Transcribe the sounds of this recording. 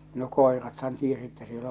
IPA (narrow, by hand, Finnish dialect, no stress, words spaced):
no koˑerɑthɑn tiesi etːæ siel